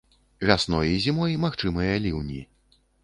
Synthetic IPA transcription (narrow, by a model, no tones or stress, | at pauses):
vʲasnɔjɐizʲimɔjmaxt͡ʂɨmɐjɐlʲiwnʲi